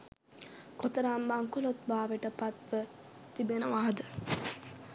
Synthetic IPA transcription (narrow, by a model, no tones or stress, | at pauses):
kot̪ɐɾaːmbaŋkulot̪̚baːʋeʈəpat̪ʋə | t̪ibenɐʋaːɦd̪ə